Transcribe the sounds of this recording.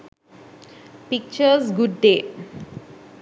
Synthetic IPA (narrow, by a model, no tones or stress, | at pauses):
pik̚t͡ʃəɾzɡuɖɖeː